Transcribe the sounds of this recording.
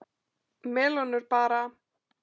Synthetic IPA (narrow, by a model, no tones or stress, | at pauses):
mɛːlɔnʏɾpaːɾa